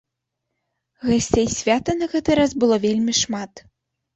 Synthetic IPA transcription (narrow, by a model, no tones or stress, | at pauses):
ɣasʲt͡sʲejsʲvʲat̪ɐnɐɣɛt̪ɨɾazbɨlˠɔvʲelʲmʲiʂmat̪